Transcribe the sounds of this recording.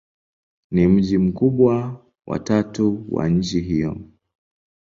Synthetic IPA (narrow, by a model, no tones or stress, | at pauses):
nim̩ʄim̩kuɓwa | wʔa̰tatuwa̰ɲ̩t͡ʃiɦijɔ̰